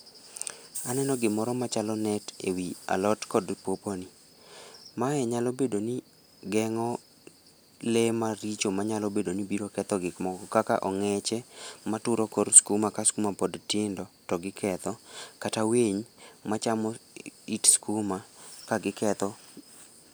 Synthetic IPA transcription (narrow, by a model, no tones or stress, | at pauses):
anɛnɔɡɪmɔɾɔmat͡ʃalɔnɛtḛwia̰lɔtkɔdpoponi | maɛɲalɔbedoni | ɡɛŋɔ | lɛmaɾit͡ʃomaɲalɔbedonibiɾokɛt̪ɔɡɪkmɔɡɔkaka̰ʔɔŋɛt͡ʃɛmatʊɾɔkoɾskumakaskumapɔdtɪndɔtɔɡɪkʰɛt̪ɔkataweɲmat͡ʃamɔitskumakaɡɪkɛt̪ɔ